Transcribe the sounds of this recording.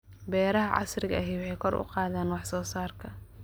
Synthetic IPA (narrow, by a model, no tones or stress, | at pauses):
bɛːɾɐɦɐʕɑ̰srɪɣɐɐɦiwɑħɛjkʰɔrʔʊ̰qɑːðaːnwɑħsɔːsaːrkʰɐ